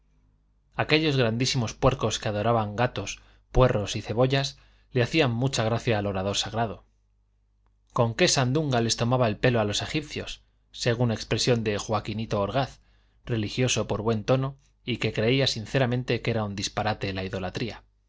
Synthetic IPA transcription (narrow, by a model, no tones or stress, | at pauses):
ake̞ʎo̞zɣɾand̪isimo̞spwe̞ɾko̞skeað̞o̞ɾaβaŋɡat̪o̞s | pwe̞ro̞siθe̞β̞o̞ʎas | le̞aθiamːut͡ʃaɣ̞ɾaθjaːlo̞ɾað̞o̞ɾsaɣ̞ɾaðo̞ | ko̞ŋke̞sand̪uŋɡale̞st̪o̞maβae̞lpe̞loalo̞se̞xip̚θjo̞̰sː | e̞ɣ̞unekspɾe̞sjo̞nd̪e̞xwakinit̪o̞ːɾɣ̞aθ | re̞lixjo̞so̞po̞ɾβwe̞nt̪o̞no̞ | ike̞kɾe̞iasin̟θe̞ɾamẽ̞nt̪e̞ke̞ɾaund̪ispaɾat̪e̞laiðo̞lat̪ɾia